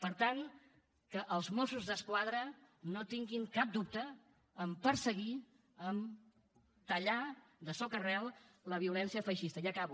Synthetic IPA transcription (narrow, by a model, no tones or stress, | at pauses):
pəɾt̪aŋ | kəʔəlˠzmosuzðəskwað̞ɾənot̪iŋɡiŋkap̚d̪up̚t̪əː | mpəɾsəɣ̞i | əm | t̪əʎad̪əsɔkərɛlˠləβ̞iulɛnsiəfəʃist̪əjakaβu